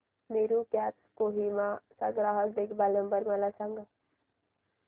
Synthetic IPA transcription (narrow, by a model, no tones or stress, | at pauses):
meːɾukɛːpskoːɦimasa̰ɡɾaːɦəkɖekbalnəmbəɾmalat͡ʃʰãŋɡa